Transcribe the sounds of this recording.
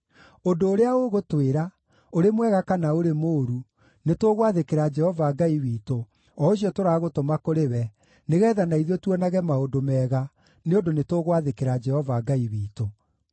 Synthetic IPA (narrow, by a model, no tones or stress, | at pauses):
ondoːɾeaoɣotweɾa | oɾemwɛɣakanaoɾemoːɾu | netoɣwaðekeɾad͡ʒɛhɔvaːɡaiwiːto | ɔoɕiɔtoɾaːɣotomakoɾewɛ | neɣɛːðanaiðɔtwɔnaɣɛmaondomɛːɣa | neondonetoɣwaðekeɾad͡ʒɛhɔvaːɡaiwiːto